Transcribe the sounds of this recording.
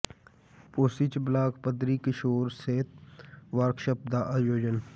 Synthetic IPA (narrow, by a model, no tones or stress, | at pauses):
poːsit͡ʃblaːkpəd̪ɾiːkɪʃoːɾseːt̪̚ʋəɾkʃəp̚d̪aːʔaːjoːd͡ʒən